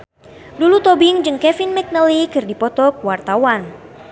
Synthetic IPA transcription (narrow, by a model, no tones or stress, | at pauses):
dulut̪obiŋd͡ʒɨŋkɛfinmɛk̚nəlikɨrdipɔt̪ɔk̚wart̪awan